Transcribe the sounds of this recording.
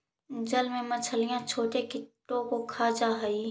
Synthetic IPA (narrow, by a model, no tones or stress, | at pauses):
d͡ʒɐlmẽmɐt͡ʃʰəlijãt͡ʃʰoːʈekɪʈːõkokʰaːd͡ʒaɦəi